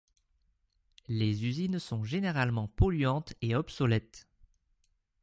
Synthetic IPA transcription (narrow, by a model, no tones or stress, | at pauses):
lezyzinsɔ̃ʒeneʁalmɑ̃pɔlɥɑ̃t̪eɔbsɔlɛt̪